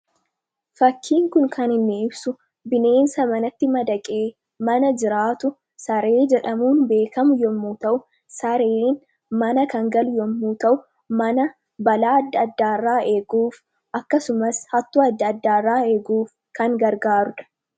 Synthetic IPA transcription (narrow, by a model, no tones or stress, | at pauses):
fɐkʰːiːŋkʊŋkʰɐnɪnːɪɪbsʊ | bɪne̞ːnsɐmɐnɐt̪ːɪmɐd̪ɐkʼeː | mɐnɐd͡ʒɪɾaːt̪ʊ | sɐɾe̞ːd͡ʒɛᶑɐmuːnbe̞ːkɐmʊjɔmːuːt̪ɐʔʊ | sɐɾeːn | mɐnɐkɐŋɡɐlʊjɔmːuːt̪ɐʔʊ | mɐnɐ | bɐlaːɐd̪ːɐːd̪ːaːrːaːʔe̞ːɡuːf | ɐkːɐsʊmɐshɐt̪ːoːɐd̪ːɐːd̪ːaːaːeːɡuːf | kɐŋɡɐɾɡaːɾʊᶑɐ̥